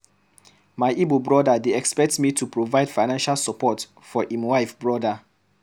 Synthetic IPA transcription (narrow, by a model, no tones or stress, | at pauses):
maɪʔibobɹɔdadeɛkspɛk̚tmitʰupɹovaɪd̥faɪnãnʃalsɔpɔt | fɔʔĩmwaɪfbɹɔda